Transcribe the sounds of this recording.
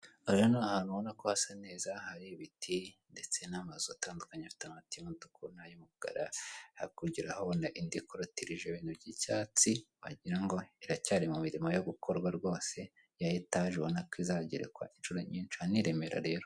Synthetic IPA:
oʒanoahaːnuβonakohasane̞ːzahaɾiβitʰinde̞t͡se̞namazuataːndukaɲafi̥tamatimuntu̥kunajumuɡ̥a̰ɾa̰hakuɟiɾahaβonaʔindikoɾotiɾiʒeβiːnuvɟicaːt͡siwa̰ɟiɾaŋɡo̞iɾacaːɾimumiɾimojo̞ɡukʰo̞ɾɡwaɾɡo̞ːse̞ | jajetaːʒeβonakizaɟeɾḛkwa̰ʔinʃuɾo̞ɲiːnt͡ʃianiɾe̞meɾa̰ɾe̞ːɾo

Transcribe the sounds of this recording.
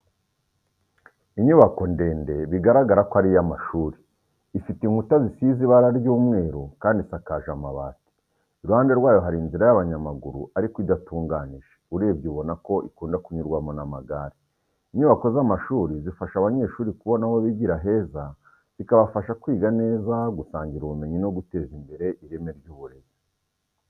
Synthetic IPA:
iɲuβako̞nde̞ːnde̞βiɡaɾaɡaɾakoaɾijamaʃuːɾiː | fitiŋhutazisiziβaɾaɾɟuːmŋe̞ːɾokaːndisakaːʒamaβa̰ːti̥ | iɾuhaːnde̞ɾwaːjo̞ɦaɾiːnziɾajaβaɲamaɡuɾṵaɾikidatuːŋɡaniʒe̥uɾe̞ːbɟuβo̞nako̞ʔikuːndakuɲuɾɡwamonamaɡaɾe | iɲuːβako̞zamaʃuːɾizifaʃaβaɲe̞ʃuːɾikuβo̞nawoβiɟiɾaɦe̞ːza | z̥ikaβafaʃakwiːɡane̞ːzaɡusaːɲɟiɾuβume̞ɲino̞ɡute̞ːzimbe̞ɾe̞ʔiɾe̞me̞ɾjɟuːβuɾe̞ze

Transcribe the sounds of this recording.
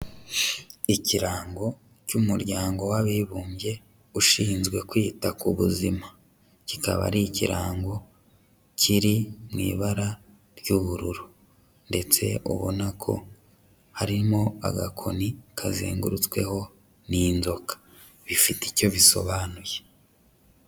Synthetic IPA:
iciɾaːŋɡo̞ | cumuɾɟaːŋɡo̞waβiβuːmbje̞ | uʃiːnzɡwe̞kwiːtakuβuzima | cikaβa̰ɾiciɾa̰ːŋɡo̞ | cʰiɾimŋḭːβaɾa | ɾjuβuɾuɾu | nde̞t͡se̞̰ʔṵβo̰nakʰo̞̰ | haɾimo̞a̰ɡakʰo̞nikʰazḭːŋɡuɾut͡swe̞̰ho̞ | ninzo̞kḁ | βifitico̞βiso̞̰βaːnuje

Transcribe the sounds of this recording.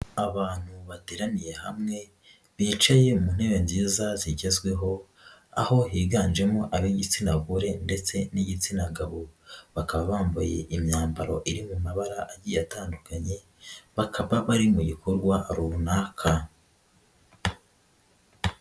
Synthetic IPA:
aβaːn̥huβateɾanije̞hamŋe̞ | βiːt͡ʃaje̞umun̥he̞βe̞nziːzaziɟe̞zɡwe̞ɦo̞ | a̰ho̞ɦiːɡaːnd͡ʒe̞moʔaβiɟit͡sinaɡuɾe̞nde̞t͡se̞niɟit͡sinaŋɡaβo̞βakaβaβaːɱva̰je̞̰ʔimɲaːmbaɾo̞̰ʔiɾimumaβaɾaʔaɟijataːndukaɲe̞ | βakʰaβaβaɾimuɟikʰoɾɡwaɾuβunaːkʰa

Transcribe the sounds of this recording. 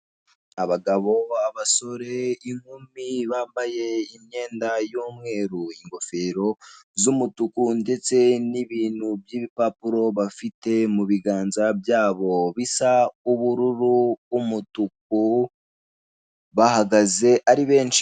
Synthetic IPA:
aβaɡaβo̞aβaso̞ɾe̞iŋ̥humiβaːmbaje̞imɲe̞ːndajuːmŋe̞ːɾuiŋɡo̞fe̞ɾo̞zumutukunde̞t͡se̞niβiːn̥hubjiːβipapuɾo̞βafite̞muβiɡaːnzabjaːβo̞βisauβuɾuɾuːmutuk̚u | βahaɡaze̞ʔaɾiβe̞ːnʃi̥

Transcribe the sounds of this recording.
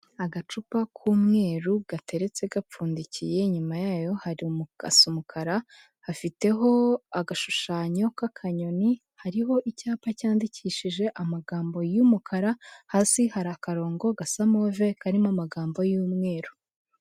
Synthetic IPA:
aɡat͡ʃupakʰuːmŋe̞ːɾuɡ̥atʰe̞ɾe̞t͡se̞ɡap͡fuːndicije̞ɲumajaːjo̞haɾimua̰sumukʰaɾa | hafite̞ɦo̞aɡaʃuʃaːɲo̞kakʰaɲo̞ni | haɾiɦo̞ʔicaːpacaːndicʰiʃiʒe̞ʔamaɡaːmbo̞jumukʰaɾahaːsihaɾakaɾo̞ːŋɡo̞ɡasamove̞kaɾimamaɡaːmbo̞juːmŋe̞ːɾu

